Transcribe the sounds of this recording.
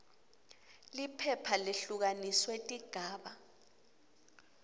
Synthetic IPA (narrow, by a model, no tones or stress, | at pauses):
lipʰɛpʰaleɬuk̬aniswetʼiɡ̥ʱaːɓa